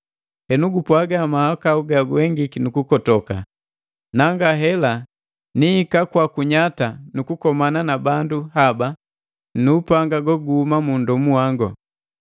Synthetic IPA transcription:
hɛnuɡupwaɡamahakauɡaɡuɛŋɡikinukukɔtɔka̰ | naŋɡaɦɛla | niːkakwakuɲatanukukɔmananabanduhaba | nuːpaŋɡaɡɔɡuhumamundɔmuwaŋɡɔ

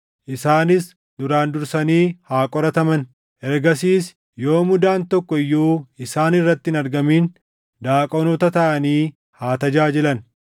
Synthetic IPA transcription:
ʔɪsaːnɪs | nʊɾaːnd̪ʊɾsɐniːhaːkʼɔɾɐt̪ɐmɐn | ʔɛɾɡɐsiːs | jo̞ːmʊd̪aːnt̪ɔkːɔɪjːuːɪsaːnɪrːɐt̪ːɪɪnɐɾɡɐmiːn | d̪aːkʼɔnɔt̪ɐt̪ɐʔɐniː | haːt̪ɐd͡ʒaːd͡ʒɛlɐn

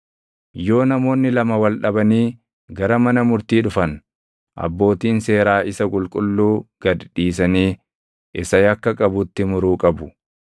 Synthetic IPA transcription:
jo̞ːnɐmo̞ːnːɪlɐmɐwɐlᶑɐbɐniː | ɡɐɾɐmɐnɐmʊɾt̪iːᶑʊfɐn | ʔɐ̰bːo̞ːt̪iːnse̞ːɾaːʔɪsɐkʼʊlkʼʊlːuːɡ̥ɐd̪iːs̬ɐniː | ɪsɐjɐkːɐkʼɐbʊt̪ːɪmʊɾuːkʼɐbʊ

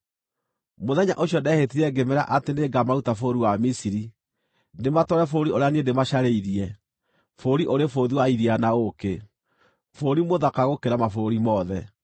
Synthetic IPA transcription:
moðɛɲaʔoɕjɔdɛhetiɾɛɡemeɾa̰ʔateneɡamautafoɾiwamisiɾi | ndematɔɾɛfoɾioɾeaniendemaɕaɾeiɾiɛ | foɾiʔoɾefoðiwaiɾianaoke | foɾimoðakaɣokeɾamafoɾimɔðɛ

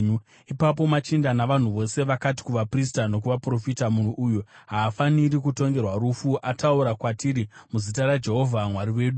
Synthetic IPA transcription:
ipap̬o̞mat͡ʃindanaʋan̤uʋo̞se̞ʋakati̥kuʋapris̬tano̞k̬uʋapro̞fitamun̤uʔːjuɦaːfanirikuto̞ŋɡe̞rwaɾufuʔatauɾakwatʰiɾimuzitaɾad͡ʒe̞ɦo̞vʱamwaɾiwe̞ːɗu

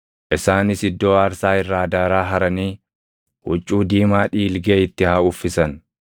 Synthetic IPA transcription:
ʔɪsaːnɪsɪd̪ːo̞ːaːɾsaːɪrːaːd̪aːɾaːɦɐɾɐniː | hʊt͡ʃʼːuːd̪iːmaːᶑiːlɡeːɪt̪ːɪhɐʊfːɪsɐn

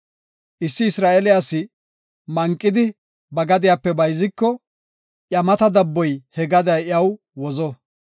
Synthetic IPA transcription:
ʔɪsːɪːsɾaːʔɛlɪjasːɪ | mɐŋkʼːɪd̪ɪ | bɐɡɐd̪ɪjaːpːɛbɐjzɪkːɔ | ʔjɐmɐt̪ɐd̪ɐbːɔjhɛɡɐd̪ɐjɪɐw | wɔzɔ

